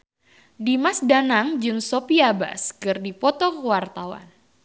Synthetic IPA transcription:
dimasdanaŋd͡ʒɨŋsopiaba̰skɨrdipɔt̪ɔkwart̪awa̰n

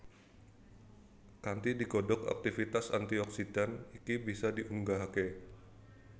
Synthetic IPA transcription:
kant̪idiɡɔdɔka̰k̚t̪ifit̪asa̰nt̪iɔksidanikibisadiʔuŋɡaɦake

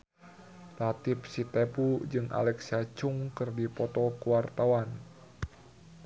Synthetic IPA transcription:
lat̪ip̚sit̪epud͡ʒɨŋʔa̰lɛksiat͡ʃuŋkɨrdipɔt̪ɔkuwart̪awan

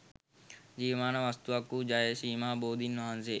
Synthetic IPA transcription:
d͡ʑiːmaːnaʋast̪uakːuːd͡ʒaːesiːmãːboːd̪inoɦãnseː

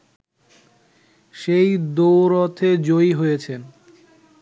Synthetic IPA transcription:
ʃejd̪owɾɔt̪ʰed͡ʑojɦojet͡ɕʰen

